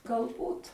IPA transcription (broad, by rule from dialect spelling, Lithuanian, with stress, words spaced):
ɡɐlˠˈbuːt